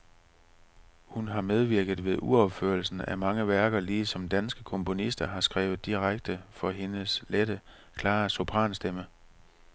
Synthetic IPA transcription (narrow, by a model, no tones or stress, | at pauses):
hunɦɑ̈með̞ˠʋiɐɡ̥ð̩ˠʋe̝ðˠʔuɒb̥fø̰ɐl̩sn̩æmɑ̈ŋəʋæɐɡ̥ɐliːsɒ̽md̥ænsɡ̥əkʰɔ̽mpʰo̝nisd̥ɐɦɑ̈sɡ̥ʁɛːʊð̩ˠd̥iʁaɡ̥̚d̥əfɒ̽ɦe̝nəsleɾ̥ə | kʰlɑ̈ːso̝pʰʁɑ̰̈ːnsd̥emə